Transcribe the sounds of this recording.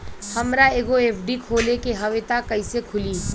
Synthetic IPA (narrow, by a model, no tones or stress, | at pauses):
hɐmɾaeːɡoeːfɖikʰoːlekeɦɐʋet̪akɐisekʰʊliː